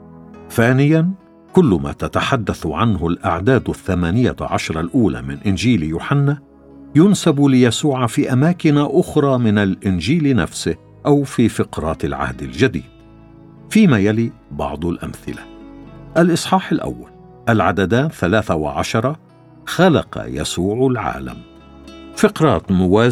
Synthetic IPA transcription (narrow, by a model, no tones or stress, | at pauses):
θaːnɪjan | kʊlːʊma̰t̪at̪aħad̪ːaθʕanɦʊlʔa̰ʕd̪aːd̪θːamaːnɪja̰ʕɑʃɾˤɑlʔuːla̰ːmɪnʔɪnd͡ʒiːljuːħanːaː | jʊnsablɪjasuːʕafiːʔamaːkɪnaʔʊxɾˤɑːmɪnalʔɪnd͡ʒiːlna̰fsɪh | ʔawfiːfɪqɾˤɑːt̪ɪlʕa̰hd̪ɪld͡ʒad̪ḭːd̪̚ | fiːmaːjaliːbɑ̰ʕd̪ˤʊlʔa̰mθɪlaʔalʔɨsˤħɑːħalʔa̰wːa̰l | ʔalʕad̪ad̪aːnθalaːθawa̰ʕɑ̰ʃɑɾˤɑ | xalɑ̰qɑ̰ja̰suːʕlʕa̰ːla̰m | fɪqɾˤɑːt̪mʊwaː